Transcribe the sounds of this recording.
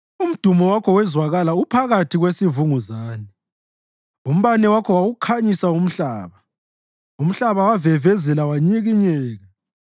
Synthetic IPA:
um̩d̥ʱumɔwakʰɔwɛzwaɣalaupʰaɣatʰiɣwesivuŋuzaːnɛ | um̩βanɛwakʰɔwaɣukʰaɲisaum̩ɬaːβa | um̩ɬaβawavɛvɛzɛlawaɲiɣiɲɛːɣa

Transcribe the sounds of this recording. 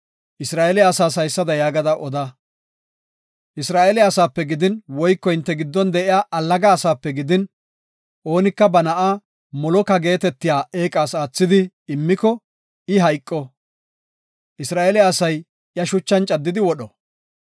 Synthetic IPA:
ʔɪsɾaːʔelɪaːsaːs̬ɐjsːɐd̪ɐjaːɡɐd̪ɐʔɔd̪ɐ | ʔɪsɾaːʔɛlɪɐsaːpːɛɡɪd̪ɪnwɔjkːɔhɪnt̪ːɛɡɪd̪ːɔnd̪ɛʔɪjaːʔɐlːɐɡaːsaːpːɛɡɪd̪ɪn | ʔo̞ːnɪkːɐbɐnɐʔaː | mɔlɔkɐɡe̞ːt̪ɛt̪ːɪjaːe̞ːkʼaːsaːt͡sːɪd̪ɪ | ɪmːɪkɔ | ɪɦɐjkʼːɔ | ʔɪsɾaːʔɛlɪaːsɐj | jɐʃʊt͡ʃːɐnt͡ʃʼɐd̪ːɪd̪ɪwɔɗɔ

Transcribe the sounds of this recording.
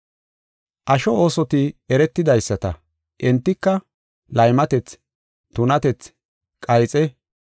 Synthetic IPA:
ʔɐʃɔoːsɔt̪ɪɛɾɛt̪ːɪd̪ɐjsːɐt̪ɐ̰ | ʔɛnt̪ːɪkːɐ | lɐjmɐt̪ɛt͡s | t̪ʊnɐt̪ɛt͡s | kʼɐjt͡sʼɛ

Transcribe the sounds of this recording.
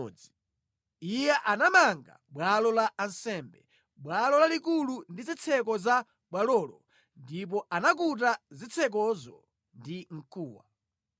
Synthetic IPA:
i | ijɛʔanamaŋɡa̰ɓwalɔlaʔːnsɛːmbɛ | bwalɔlalikulundizit͡sʰɛk̬ɔza | ɓwalɔːlɔ | ndip̬ɔʔanak̬ut̬azit͡sʰɛk̬ɔzɔ̰ | ndiŋ̩kʰuːwa̰

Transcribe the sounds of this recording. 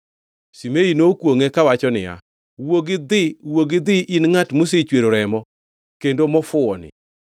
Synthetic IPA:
simeinokwoŋekawat͡ʃɔnɪ̰ja̰ | woɡɪd̪ɪwoɡɪd̪ɪʔinŋatmus̬et͡ʃweɾoɾɛmɔ | kendomɔfʊɔnɪ̰

